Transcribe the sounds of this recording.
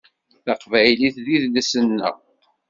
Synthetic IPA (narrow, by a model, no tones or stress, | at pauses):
θɑqvæjliθðiðləsənːə̰